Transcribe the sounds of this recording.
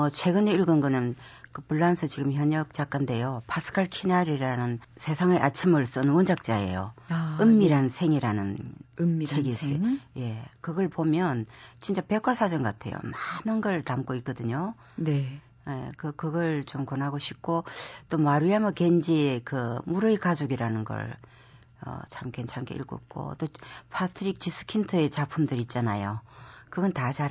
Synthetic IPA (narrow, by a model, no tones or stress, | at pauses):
ʌt͡ɕʰwe̞ɡɯneiɭɡɯnɡɯnɯnkɯpuɭːansʰɯt͡ɕiɡɯmçjʌɲʌk̚t͡ɕ͈ak͈ande̞jopasʰɯ̥kʰaɭkʰinaɾiɾanɯnsʰe̞sʰaŋeʔat͡ɕʰimɯɭs͈ɯnwʌnd͡ʑak̚t͡ɕ͈ae̞̰jo̰ɯmːiɾansʰe̞ŋiɾanɯn | t͡ɕʰeɡiseje̞kɯɡʌɭpomjʌnt͡ɕint͡ɕ͈ape̞kʰwasʰad͡ʑʌnɡokatʰe̞̰jo̰manɯnɡʌɭtamk͈oik͈ʌdɯɲo | ne | jḛkɯkɯɡʌɭt͡ɕomkʌnɦaɡoɕʰik̚k͈ʰot͈omaɾuamʌkend͡ʑiekɯmuɾɯikad͡ʑoɡiɾanɯnɡʌ̰ɭ | ʌ̰t͡ɕʰamkent͡ɕʰaŋɡḛḭɭɡo̰ḭp̚k͈o̰t͈opʰatʰɯɾik̚t͡ɕis͈ʰɯ̥kʰintʰɯe̞t͡ɕapʰumdɯɾit̚t͡ɕ͈anajokɯɡʌntat͡ɕaɾ